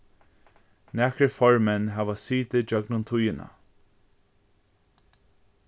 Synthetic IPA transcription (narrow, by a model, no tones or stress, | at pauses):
nɛːkəɹfɔɹmɛnɦaːvasiːt̪ɪd͡ʒœɡnʊnt̪ʰʊjɪna̰